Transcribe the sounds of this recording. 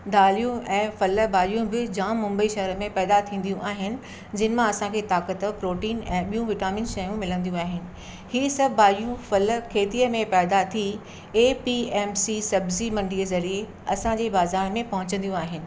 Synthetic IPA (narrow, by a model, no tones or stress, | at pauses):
d̪aːlijũɛ̃ːfɐlə̆baːlijũbɪd͡ʑãːmːʊ̃mbəiʃɐɦəɾəmẽpɛːd̪at̪ʰĩːn̆d̪ijũʔaːɦɪnɪ̆ | d͡ʑɪn̆mãɐsãkʰeːt̪aːkət̪əpɾoːʈiːnɛ̃ːɓijũʋɪʈaːmɪ̃nʃɐjũmɪlə̃nd̪ijũaːɦɪnɪ̆ | hiːsɐbbaːlijũfɐlə̆kʰeːt̪iəmẽpɛːd̪at̪ʰi | eːpiɛːmsisɐbzimɐ̃ɳɖʱiəzɐɾie | ɐsãd͡ʑeːbaːzaːɾmẽpɐɦʊ̃t͡ɕə̃nd̪ijũaːɦɪnɪ̆